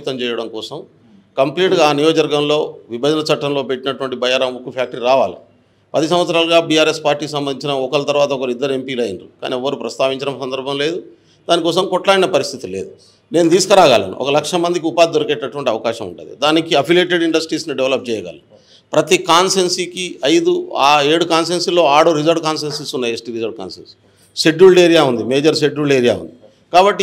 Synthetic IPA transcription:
t̪ɐmt͡ʃɛːjɐɽɐmkɔːsɐm | kɐmpliːʈɡaːnijɔːd͡ʒɐɾɡɐmlo̞ːʋibʱɐd͡ʒɐnɐt͡ʃɐʈːɐmlo̞ːpe̞ʈːinɐʈuʋɐɳʈibɐjaːɾɐmukːupʰjaːk̚ʈɐɾiɾaːʋa̰ːlḭ | pɐd̪is̬ɐm̃ʋɐt̪sɐɾaːlɐɡaːbiːaːɾespaːɾʈːiːks̬ɐmbɐnd̪iɲt͡ʃinɐɔkɐlɐt̪ɐɾʋaːt̪ɐɔkɐlid̪ːɐɾuempiːlɐjinɾuka̰ːniɔʋɐɾupɾɐst̪aːʋiɲt͡ʃɐɽɐmsɐnd̪ɐɾbʱɐmle̞ːd̪u | d̪aːnikɔːsɐmkɔʈlaːɽinɐpɐɾist̪ʰit̪ile̞̰ːd̪u | ne̞ːnud̪iːskɐɾaːɡaːlɐ̰nṵʔɔ̰kɐlɐkʂɐmɐnd̪ikiupaːd̪id̪oɾɐkɛʈːɐʈuʋɐɳʈiɐʋɐkaːʃɐmṵɳʈṵnːd̪ḭd̪aːnikiɐpʰiljeːʈ̬eɖiɳɖɐsʈɾiːsniɖeʋlɐp̚t͡ʃɛːjɐɡa̰ːli | pɾɐt̪ikaːnsensikiɐjd̪uaːe̞ːɽukaːns̬enslːo̞ːaːɽuɾizɐɾɖkaːnsensisunːaːjesʈiːɾizɐɾɖ̚ka̰ːnsḛns | seɖuːɭɖeːɾijaːund̪imeːd͡ʒɐɾs̬eɖɾuːɭɖeːɾija̰ːṵnd̪i | kaːbɐʈːi

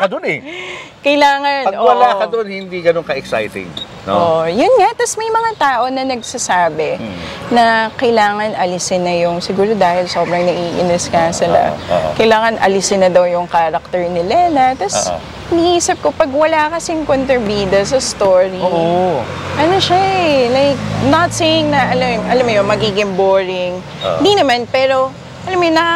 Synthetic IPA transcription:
kɐd̪onɛ | kɐjlaːŋɐnpɐɡʔowɐlakɐd̪onhɪnd̪iɡɐnoŋkɐʔɛksa̰jt̪ɪ̰ɡ | noʔoʔjʊnŋat̪ɐsmɐjmɐŋat̪aːʔo̞nɐnɐɡ̚sɐsaːbɛnɐkɐjlaːŋɐnʔɐlɪsɪnɐjʊŋsɪɡuːɾo̞d̪aːhɪlso̞ːbɾɐŋnɐʔiːʔɪ̰nɪskasɪla̰kɐjlaːŋɐnʔɐ̰lɪsɪnɐd̪ɐwjʊŋkaːɾɐk̚t̪ɛɹnɪlɛnɐt̪ɐss | ɪniʔiːsɪp̚kopɐɡ̚wɐlakɐsɪŋkont̪ɾɪbiːd̪ɐs̬ɐst̪oɹi | ʔɐnoʃalajk̚nɐt̪̚sejɪŋnɐʔɐlamʔɐlamjonmɐɡiːɡɪŋboːɹɪŋ | ɪnd̪inɐmanpɛːɾo̞ | ʔɐlamjonɐa

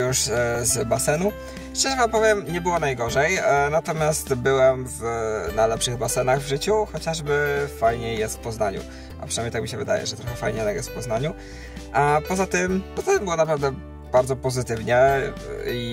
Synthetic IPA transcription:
uʂzbasɛnu | ʂt͡ʂɛʐɛvampɔvʲjɛmɲɛbɘwɔnajɡɔʐɛjnat̪ɔmʲjast̪bɘwɛmvnajlɛpʂɘɣbasɛnaɣvʐɘt͡ɕuxɔt͡ɕaʐbɘfajɲejːɛst̪fpɔznaɲṵ | ʔa̰pʂɨ̥najmɲejt̪akmʲiɕɛvɘd̪a̰jɛ̰ʐɛt̪ɾɔxɛfajɲeɛt̪aɡjɛsfpɔznaɲu | apɔzat̪ɘmpɔzat̪ɘmbɘwɔnapɾavd̪ɛ | b̥aɾd̪zɔpɔzɘt̪ɘvɲɛ | i

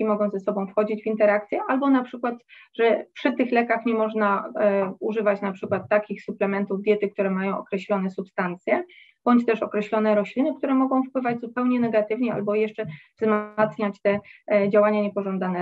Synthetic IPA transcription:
imɔɡɔ̃w̃zɛsɔbɔ̃w̃fxɔd͡ʑid͡ʑvʲint̪ɛɾakt̪sʲjɛʔalbɔnapʂɘkwat̪ʐɛpʂɘt̪ɘxlɛkaxɲɛmɔʐna | uʐɘvat͡ɕnapʂɘkwat̪ːakʲixsuplɛmɛnt̪uvd̪jɛt̪ɘk̚t̪uɾɛmajɔ̃w̃ʔɔkɾɛɕlɔnɛsupst̪ant̪sʲjɛ | b̥ɔɲt͡ɕt̪ɛʂɔkɾɛɕlɔnɛɾɔɕlʲinɘkt̪uɾɛmɔɡɔ̃w̃fpwɘvad͡ʑzupɛwɲɛnɛɡat̪ɘvɲɛa̰lbɔjɛʂt͡ʂɛ | zmat̪sɲat͡ɕt̪ɛd͡ʑawaɲaɲɛpɔʐɔnd̪anɛ

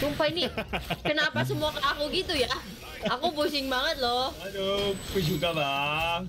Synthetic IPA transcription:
sumpajnikənapas̬əmuakəlakuɡit̪uja | akubus̬ɪŋbaŋət̪̚lɔalopis̬ut̪ala

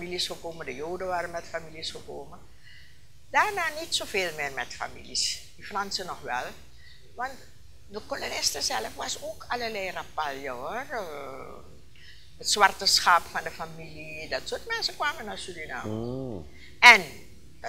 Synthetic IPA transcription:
milisxəkoːmədəjoːdənʋaːɾənmɛtfamilisxəkoːmə | daːrnaːnitsoːfeːlmɪːrmɛtfa̰mḭlisdifrɑnsənɔxʋɛ̰l | ʋɑnt | dəkolonɪstəzɛləfʋɑsoːkʰalərlɛjrapaljəor | ətswɑrtəsxɑpfɑndəfamilidɑtsotmɛnsəkʋaːmənasydina̰ːm | ɛn

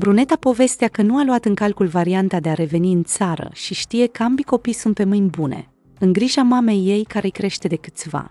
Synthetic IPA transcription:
bɾune̞t̪apo̞ve̞st̪eakənualuat̪ɨŋkalkulvaɾiant̪ad̪e̞aɾe̞ve̞niɨnt̪saɾə̰ʃiʃt̪ije̞kəambiko̞pijsunt̪̚pe̞mɨnʲbune̞̰ | ɨŋɡɾiʒamame̞jːe̞jkaɾejkɾe̞ʃt̪e̞d̪e̞kɨt̪sʲva̰

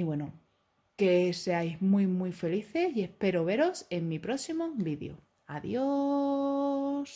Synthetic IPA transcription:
iβwe̞no | keseajzmwuimwuife̞liθe̞sie̞hpe̞ɾoβe̞ɾo̞se̞ŋmipɾo̞simobiðjo̰ | aðjo | s

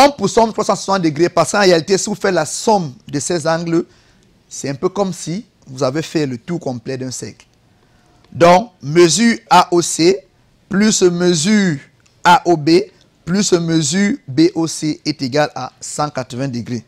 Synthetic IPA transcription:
ɑ̃pusɔ̃mt̪ʁwasɑ̃sɛsɑ̃t̪d̪əɡʁepaʁsə̥kɑ̃ʁealit̪esvufɛlasɔmd̪əsɛzɑ̃ɡlə | sɛtɛ̃pøkɔmsi | vuzavefɛlət̪ukɔ̃mplɛd̪ɛ̃sɛ̰kl | d̪ɔ̃kməzyʁaʔose | plysəməzyː | aʔobe | plysəməzybeʔoseɛt̪eɡala̰sɑ̃kat̪ʁəvɛ̃d̪əɡʁe

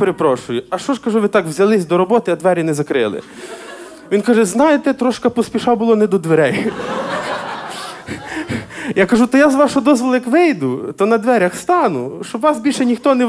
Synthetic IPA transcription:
peɾepɾɔʃʊjʊɐʃt͡ʃɔʃkɐʒuʋɪt̪ɑkwzʲɐlˠɪsʲd̪ɔɾɔbɔt̪ɪɐd̪ʋɛɾʲinɛzɐkɾɪ̰lˠɪ̰ | ʋʲinkɑʒɛznɑjet̪ɛt̪ɾɔʃkɐpɔsʲpʲiʃabʊlˠɔnɛd̪ɔd̪ʋeɾɛj | jakɐʒut̪ɔjazʋɑʃɔd̪ɔzʋɔlˠɐjɐkʋɪjd̪ʊt̪ɔnɐd̪ʋɛɾʲɐxst̪ɑnʊʃt͡ʃɔbʋɑsbʲilʲʃɛnʲixt̪ɔnɛ

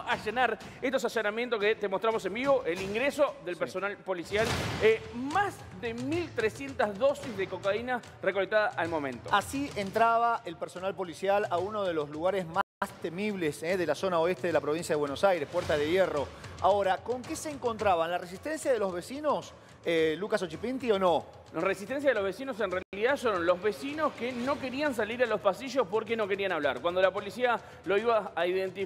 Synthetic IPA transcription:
aʒenaɾ | est̪osasonamjent̪oket̪emot̪ɾamo̞se̞mbiβo̞ʔeliŋɡɾesoðelpeɾsonalpolisjalemaz | ðemilt̪ɾesje̞nt̪azðo̞sizðeko̞kaina | rekolek̚t̪aðaʔalmomẽnt̪oasient̪ɾaβaʔelpeɾso̞nalpo̞lisjalauno̞ð̞e̞lo̞zluɣaɾezmast̪emiβleseðe̞laso̞naoest̪eðelapɾo̞βinsjaðewenosajɾe̞hpweɾt̪aðejero̞a̰oɾako̞ŋkeseːŋko̞nt̪ɾaβanlares̬ist̪e̞nsjaðelo̞zβe̞sino̞s | elukasot͡ʃipint̪io̞no̞ | resi̥t̪ens̬jaðeloβesinos̬enrealiðasoɾonlozβesino̞skeno̞ke̞ɾians̬aliɾalospasiʒo̞spoɾk̬eno̞ke̞ɾianaβlaɾkwand̪olapo̞lisia | lo̞iβaːiðent̪i

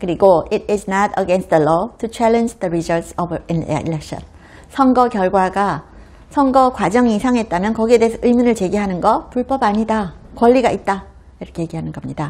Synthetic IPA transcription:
kɯɾiɡoiɾɪznatəɡenst̚əlɔtʰut͡ɕʰalend͡ʑðəɾizʌɭtsʌbin̰ḭlek̚ɕʌ̰n | sʰʌŋɡʌkjʌɭɡwaɡa | sʰʌŋɡʌkwad͡ʑʌŋiːsʰaŋɦe̞t̚t͈amjʌnkʌɡiedeesʰʌʔɯimunɯɭt͡ɕe̞ɡiɦanɯnɡʌpuɭp͈ʌbaɲidakwʌʎːiɡaʔit̚t͈a | iɾʌkʰeje̞ɡiɦanɯnɡʌmɲida

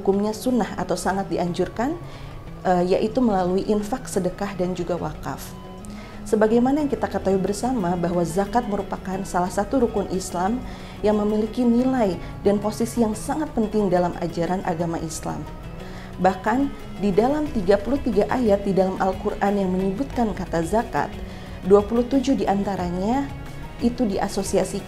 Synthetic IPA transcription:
ukumɲasunaha̰t̪awsaŋat̪̚diʔaɲd͡ʒurkan | əjaʔit̪uməlaluiʔinfaksədəkahdand͡ʒuɡawa̰ka̰f | səbaɡajmanajaŋkit̪akət̪awibərsamabaɦwazakat̪̚məɾupakansalahsat̪uɾukʊnʔislam | jaŋməmilikinilaj | danposisijaŋsaŋat̪̚pənt̪ɪŋdalamʔa̰d͡ʒaɾanʔa̰ɡamaʔisla̰m | bahkan | didalamt̪iɡapuluht̪iɡaʔajat̪̚didalamʔalkurʔanjaŋməɲəbut̪̚kankat̪azaka̰t̪̚ | duapuluht̪ud͡ʒudiʔant̪aɾaɲa | ʔit̪udiʔa̰sosiasik

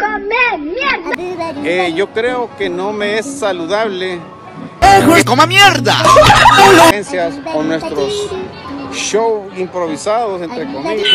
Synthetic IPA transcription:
memjeɾðeʝo̞kɾeokeno̞meesːaluðaβle | t̪omamjeɾða̰ | nsjasonwe̞st̪ɾos | ʃowimpɾoβisaðosent̪ɾeko̞miʝa

